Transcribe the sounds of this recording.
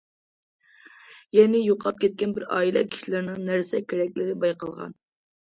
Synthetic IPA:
jɛnɪjoqʰɑp̚kʲʰɛt̪̚kʲɛnbɪɾɑ̰ːilˠɛ̰kʲʰi̥ʃilɪɾnɨŋnæɾsɛkʲʰeɾɛkʲlɪɾɪbɑjqɑlˠʁɑ̰n

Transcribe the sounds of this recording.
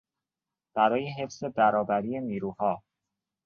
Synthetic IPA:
b̥æɾɒːjeɦe̞fse̞bæɾɒːbæɾiːje̞niːɾuːhɒː

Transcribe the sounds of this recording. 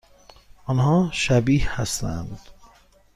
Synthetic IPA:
ʔɒnɦɒːʃæbiːhhæst̪æ̰nd̪̥

